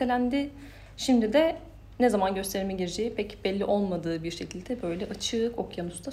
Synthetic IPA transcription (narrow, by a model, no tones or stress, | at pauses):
elʲænd̪ɪ | ʃimd̪id̪ɛ | nɛzamanɟø̞st̪ʰe̞ɾmɛɟiɾed͡ʒejipʰɛcbɛlʲːiʔo̞lˠmad̪ɯːbiɾʃecʰilʲd̪ɛbø̞jlʲɛʔat͡ʃʰɯko̞kjanusd̪a